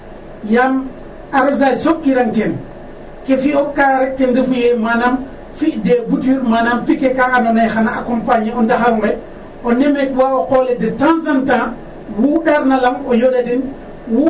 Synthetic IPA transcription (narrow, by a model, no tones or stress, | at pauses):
jam | aɾɔsasokːiɾaŋtɛn | kefiɔkaɾɛk̚tɛndifujɛmanam | fidɛbutiɾmanampikɛkaanɔnajxanaakɔmpaɲiɔndaxaɾŋbɛ | ʔɔnɛmekwaɔkɔlɛdɛtansanta | wuːɗaɾnalamɔjoɗadin | wu